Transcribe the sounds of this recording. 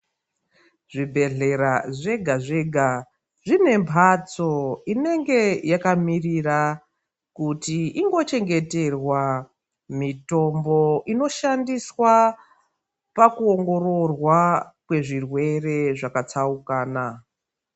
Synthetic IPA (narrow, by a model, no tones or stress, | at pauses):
ʐibʱe̞ɮe̞ɾaʐe̞ɡʱaʐe̞ɡʱa | ʐine̞mbʱat͡so̞ine̞ŋɡe̞jakamirira | kutiiŋɡo̞t͡ʃe̞ŋɡe̞te̞rwa | mito̞mbo̞ino̞ʃandiswa | pakuoŋɡo̞ɾo̞rwakwe̞ʐirwe̞re̞ʐakat͡saukaːna